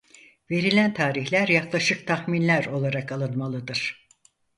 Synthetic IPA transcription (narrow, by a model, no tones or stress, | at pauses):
ve̞ɾilʲænt̪ʰaːɾiçlʲæɾjaklˠaʃɯk̚t̪ʰaxminlʲæɾo̞lˠaɾakalˠɯnmalˠɯd̪ɯɾ̥